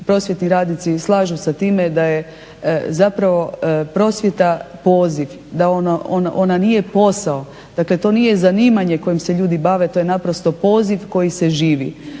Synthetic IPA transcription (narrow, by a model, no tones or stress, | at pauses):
pɾo̞sʋje̞t̪niɾaːd̪nit̪sislˠaːʒusat̪iːmed̪aje̞ | zapɾaʋo̞pɾo̞sʋje̞t̪apo̞ːziʋ | d̪aonoʔon̰ʔonanije̞po̞sao̞ | d̪̥akle̞t̪o̞ːnije̞zaniːmaɲe̞ko̞jimseʎuːd̪ibaʋe̞t̪o̞je̞napɾo̞st̪o̞po̞ːziʋko̞jise̞ʒiːʋḭ